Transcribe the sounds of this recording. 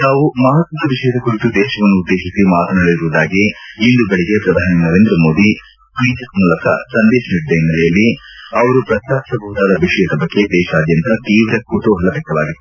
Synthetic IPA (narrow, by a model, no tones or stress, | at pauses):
t̪aːʋumɐːɦɐt̪mɐnɐʋiʂɐjɐd̪ɐkuɾit̪ud̪ɛːʃɐʋɐnːuːd̪ːeːʃisimaːt̪ɐnɐɭiɾuːd̪aːɡiːnd̪ubeɭiɡepɾɐd̪ʱaːninɐɾeːnd̪ɾɐmo̞ːd̪i | kʋiːd͡ʒɐkmuːlɐkɐ̰sɐnd̪eːʃɐniʈd̪ɐjnːɐlɐjɐlːiɐʋɐɾupɾɐt̪ːaːpsɐbʱɐɦːd̪aːd̪ɐʋiʂɐjɐsɐbʱɐkːed̪ɛːʃaːd̪jɐnt̪ɐt̪iːʋɾekuʈuːɦɐlɐʋɛkt̪ːɐʋaːɡi